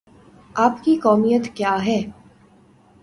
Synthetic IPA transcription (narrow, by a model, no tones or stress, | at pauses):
aːpkikɔːmijət̪kjaːɦɛː